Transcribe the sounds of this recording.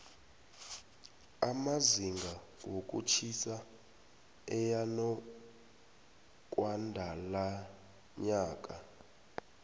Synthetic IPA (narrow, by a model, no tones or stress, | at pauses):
amaziŋɡʱa | wokʼṵt͡ʃʰisa | ɛjanɔ | k̬ʼwandʱala | ɲaːkʼa